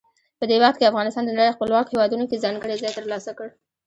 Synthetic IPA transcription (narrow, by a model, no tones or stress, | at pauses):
pəd̪ewaxt̪̚keafɣɑnɪst̪ɑnd̪ənaɽejoxpəlwɑkohewɑd̪unokezɑŋɡəɽezɑjt̪əɾlɑsakəɽ